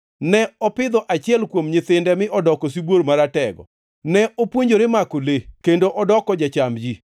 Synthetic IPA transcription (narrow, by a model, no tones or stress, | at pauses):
nɛɔpɪd̪ɔʔat͡ʃɪɛlkwomɲɪt̪ɪndɛmɪʔɔdɔkɔsibwoɾmaɾatɛɡɔ̰ | nɛʔopwoɲd͡ʒoɾemakolekendoʔɔdɔkɔd͡ʒat͡ʃamd͡ʒi